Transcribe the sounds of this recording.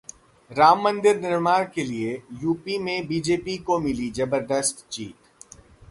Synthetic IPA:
ɾaːmːə̃nd̪ɪɾnɪɾmaːɾkeliejuːpimẽbiːd͡ʒeːpikomɪlid͡ʒɐbəɾd̪əst̪t͡ʃiːt̪

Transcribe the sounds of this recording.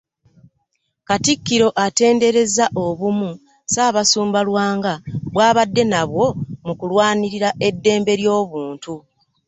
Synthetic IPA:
katikːiɾo̞ʔate̞ːnde̞ɾe̞zaʔo̞βumu | saːβasuːmbalwaːŋɡaβwaːβadːe̞naβwo̞mukulwaːniɾiɾaʔe̞dːe̞ːmbe̞ɾjo̞ːβuːntu

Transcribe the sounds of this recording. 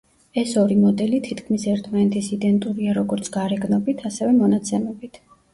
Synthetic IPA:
ɛsɔɾimɔd̪ɛlit̪ʰit̪ʰkʰmisɛɾt̪ʰmanɛt̪ʰisid̪ɛnt̪ʼuɾiaɾɔɡɔɾt̪sʰɡaɾɛɡnɔbit̪ʰasɛvɛmɔnat̪sʰɛmɛbit̪ʰ

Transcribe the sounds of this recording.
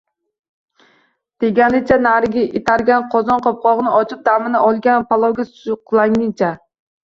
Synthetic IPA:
d̪̥eɡʲanɪt͡ʃʰanaɾɪɡʲaʔet̪ʰaɾɡʲanqʰɒzɒnqʰɒp̚qʰɒʁnɪɒt͡ʃʰɪp̚d̪amɪnaʔɒlˠɡʲanpʰalˠɒwɡʲasʊqlˠaŋnɪt͡ʃʰa

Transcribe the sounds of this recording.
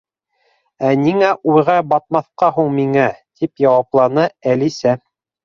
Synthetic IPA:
æniŋæʔujʁɑbɑt̪̚mɑθqɑɦuɴmiŋæt̪ʰipjɑwɑplˠɑnɤælisæ

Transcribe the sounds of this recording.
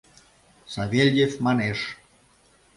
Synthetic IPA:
sɑβʲelʲjefmɑneʃ

